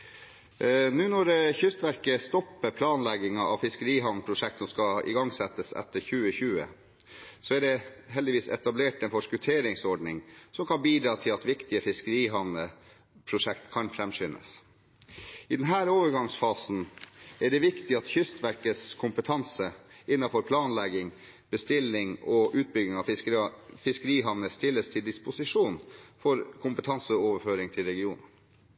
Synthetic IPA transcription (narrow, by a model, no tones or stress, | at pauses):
nʉːnɔɾçʏst̪ʋæɾkəst̪ɔpːəpʰlɑːnlɛɡɪŋɑɑʋfɪskəɾiːɦɑnpʰɾʊʂɛk̚t̪sɔmskɑɪ̰ɡɑŋsɛt̪ːəsɛ̰t̪ːəɾçʉːəçʉːə̰ | sɔæɖɛɦɛld̪ɪʋiːsɛ̰t̪ɑbleːʈɛnfɔʂkʉt̪ʰeːɾɪŋsɔɖɳɪŋsɔmkʰɑnbiːd̪ɾɑːt̪ʰɪlɑt̪ʋɪkt̪ɪəfɪskəɾiːɦɑnə | pʰɾʊʂɛkt̪kʰɑnfɾɛmsʏnʔə̰s | ɪd̪ɛnɦæːɾoːʋəɾɡɑŋsfɑːsn̩ɛɖɛʋɪkt̪ɪɑt̪çʏst̪ʋæɾkəskʰʊmpət̪ʰɑnsəɪnːɑfɔɾpʰlɑːnlɛɡɪŋ | b̥əst̪ɪlːɪŋɔʔʉːt̪̚bʏɡɪŋɑ | fɪskəɾiːɦɑʋnəst̪ɪlːəst̪ʰɪld̪ɪspʊsɪʂuːnfɔɾkʰʊmpət̪ʰɑnsəoːʋəɾføːɾɪŋt̪ʰɪlɾɛɡɪuːnən